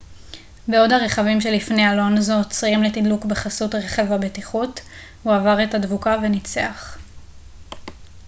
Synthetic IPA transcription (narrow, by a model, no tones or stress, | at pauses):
beo̞dhaʁe̞χavimʃe̞lifnealo̞nzot͡sʁimle̞tidlukbe̞χasutʁeχevabetiχut | huavaʁetadvukave̞nit͡seaχ